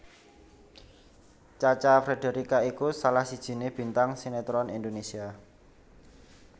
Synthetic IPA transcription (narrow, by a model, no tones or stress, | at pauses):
t͡ʃat͡ʃafɾede̤ɾikaikusalahsid̥ʒ̥i̤neb̥i̤nt̪aŋsinet̪ɾɔnind̪onesia